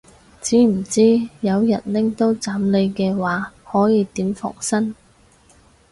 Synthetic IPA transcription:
t͡siː˨˥m̩˨˩t͡siː˥jɐ˨˧wjɐ̰˨˩nlɪ˥ŋt̪o˥wt͡saː˨˥mle˨˧jkɛː˧waː˨˥hɔː˨˥jiː˨˧t̪iː˨˥mfɔ̰ː˨˩ŋsɐ˥n

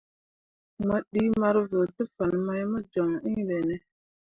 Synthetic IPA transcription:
mə˦ɗi˦ma˦ɾvə˨tə˦fa˨nma˦jmə˦d͡ʒo˨ŋi˦be˨nɛ˦

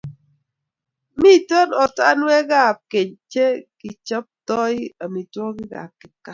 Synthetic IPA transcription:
mi˦tɔ˦nɔ˨ta̰˦nwɛ˦ɣa˦˨p̚ke˨ɲt͡ʃe˦kɪ˨t͡ʃɔ˦p̚tɔ˦ɪ˦a˨mi˨twɔ˦kɪ˦ɡa̰˨p̚kɪ˦ka˦

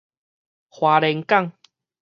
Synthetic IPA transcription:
hwaː˨˧lɛ˧ŋka˥˧˨ŋ

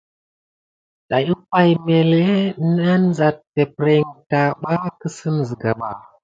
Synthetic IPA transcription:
ɗa˨ji˦pa˦jme˨le˦na˦nza˨tː | e˨pɾe˨ŋta˨ɓa˦kə˦sə˦n˨zi˨ɡa˨ɓa̰˨

